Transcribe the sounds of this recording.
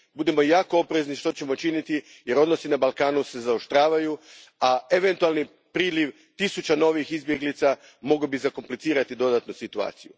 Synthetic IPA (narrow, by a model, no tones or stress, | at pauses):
bud̪e̞mo̞jaːkoopɾe̞zniʃt̪o̞t͡ɕe̞mo̞t͡ʃinit̪i | je̞ɾo̞d̪no̞sinabalˠkaːnuse̞zao̞ʃt̪ɾaːʋaju | ae̞ʋe̞nt̪ualˠni | pɾiːliʋ | t̪isut͡ɕano̞ʋixizbjeɡlit̪sa | mo̞ɡobizako̞mplit̪siːɾat̪id̪o̞d̪at̪nusit̪ua̰ːt̪siju